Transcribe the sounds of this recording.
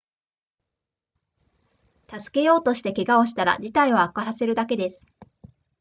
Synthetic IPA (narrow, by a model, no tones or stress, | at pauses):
t̪azɨ̥ke̞jo̞ːt̪o̞ɕi̥t̪e̞keɡao̞ɕi̥t̪aɾa̰d͡ʑit̪aioakasase̞ɾɯ̟d̪ake̞d̪e̞sɨ̥